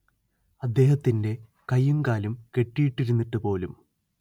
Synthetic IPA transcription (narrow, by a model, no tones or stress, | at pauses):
ɐd̪ːe̞ːhɐt̪ːinde̞ | kɐjːumkaːlumke̞ʈːijiʈːiɾunːiʈːɨpo̞ːlum